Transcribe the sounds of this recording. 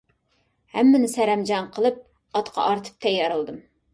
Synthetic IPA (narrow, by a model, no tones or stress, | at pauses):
hæmːɪnɪsæɾɛmd͡ʒɑnqʰəlˠɨp̚ | ɑt̪qʰɑ̰ʔɑɾt̪ʰɨ̥p̚t̪ʰɛjːɑɾɨlˠd̪ɨm